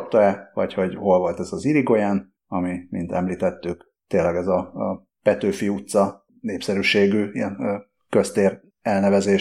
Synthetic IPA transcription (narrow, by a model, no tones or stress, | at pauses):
p̚t̪oɛvɒ̰cho̞ɟho̞lvo̞lt̪ɛzɒziɾiɡojaːn | ɒmimḭnt̪ɛ̰mliːt̪ɛt̪ːyk | t̪eːlːɛɡɛzɒ | pɛt̪øːfiut̪sɒ | neːpsɛɾyːʃeːɡyiɛn | kø̞st̪eːr | ɛlnɛvɛzeːʃ